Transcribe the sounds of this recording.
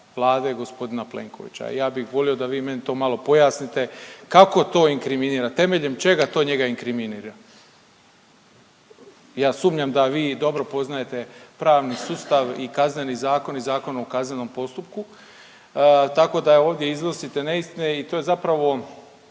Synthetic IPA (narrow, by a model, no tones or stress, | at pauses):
ʋlˠaːd̪e̞ɡo̞spo̞d̪inaplḛŋko̞̰ʋḭt͡ɕa̰jaːbixʋo̞lio̞d̪aʋiːme̞nit̪o̞ːmalo̞po̞jaːsnit̪e̞kako̞t̪o̞ːiŋkɾiminiːɾat̪e̞me̞ʎe̞mt͡ʃe̞ɡat̪oːɲe̞ɡaiŋkɾiminiːɾa | jaːsuːmɲamd̪aʋiːd̪o̞bɾo̞po̞znaje̞t̪e̞pɾaːʋnisuːst̪aʋikazne̞nizaːko̞nizaːko̞no̞kazneno̞mpo̞st̪up̚ku | t̪ako̞d̪ao̞ːʋd̪je̞iznosit̪e̞neist̪ineit̪o̞ːje̞zapɾaʋo̞